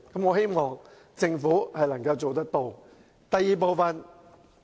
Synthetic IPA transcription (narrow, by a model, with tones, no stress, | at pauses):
kɐ˨˥mŋɔː˨˧ɦe˥jmɔː˨˩ŋ | t͡sɪ˧ŋfuː˨˥hɐ˨jlɐ˨˩ŋkɐ˧wt͡so˨wt̪̬ɐ˥k̚t̪o˧w | t̪ɐ˨jːiː˨˩p̬o˨˧wfɐ˨n